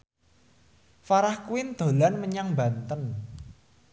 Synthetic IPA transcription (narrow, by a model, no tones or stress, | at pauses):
faɾahkuwɪnd̪̥o̤lanməɲaŋba̤nt̪ən